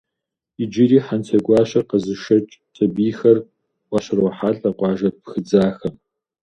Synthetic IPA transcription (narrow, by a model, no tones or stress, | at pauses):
id͡ʒiɾiːħantʰɐɡʷɑːɕɐqɐzɨʃɐt͡ʃʼtʰʼɐbiːxɐr | wʷɑɕɪɾwɔħaːɬʼɐqʷʼɑːʒɐp̚xɨd͡zaːxɐm